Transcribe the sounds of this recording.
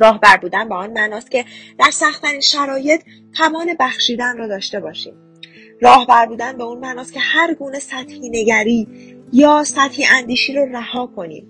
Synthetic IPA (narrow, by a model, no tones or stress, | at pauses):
ɾɒːhbæɾbuːd̪ænbeɔːnmænɒːst̪cʲe̞d̪̥æɾsæxt̪ʰæɾiːnʃæɾɒːje̞t̪ʰ | t̪ʰæmɒːne̞bæxʃiːd̪ænrɒːd̪ɒːʃt̪e̞bɒːʃḭːm | rɒːhbæɾbuːd̪ænbeunmænɒːst̪cʰʲe̞hæɾɡuːne̞sæt̪hiːne̞ɟæɾiːjɒːsæt̪hiːʔænd̪iːʃiːɾɔræhɒːkʰo̞nḭːm